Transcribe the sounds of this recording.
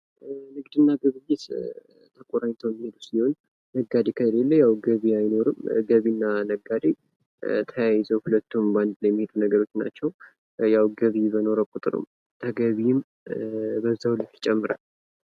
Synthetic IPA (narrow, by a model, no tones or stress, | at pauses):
nɨɡd̪ɨnːaɡɨβɨjːɪt̪ | t̪ʰəkʼoɾajɲt̪ʰəwjɛmːihe̞d̪usiho̞n | nəɡːad̪ekʰəlelːəjawɡəβiajno̞ɾɨmɡəβinːanəɡːad̪e | t̪ʰəjajɪzəwhulət̪ːumband̪lajɛmːihed̪unəɡəɾo̞t͡ʃːna̰t͡ʃːɛw | jawɡəβibəno̞ɾəwkʼut̪ʼɨɾɨ̰m | t̪ʰəɡəβim | bəzːawulət̪ːit͡ʃʼɛmːɨɾal